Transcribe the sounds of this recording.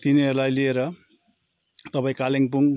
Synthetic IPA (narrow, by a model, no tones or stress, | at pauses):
t̪iniʌɾlajlieɾʌ | t̪ʌpaĩkaleŋpuŋ